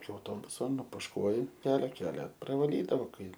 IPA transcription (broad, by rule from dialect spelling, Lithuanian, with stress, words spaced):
ɪkʲɪ ɐʊˈtoːbʊsoː nʊpʊʃˈkuɔjɪ pʲɛr ˈkʲæːlʲɛ prɐʋɐˈlʲiːdɐʋoː ˈkɐɪ